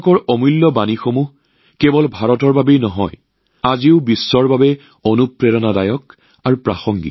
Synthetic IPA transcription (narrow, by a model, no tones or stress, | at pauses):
kɔɹɔmulːɔbanixomuɦ | kɛbɔlbʱaɹɔtɔɹbabejnɔɦɔ̰j | aziʊbisːɔɹbabɛ | onupɹɛɹɔnadajɔk | aɹupɹa̰xɔŋɡḭ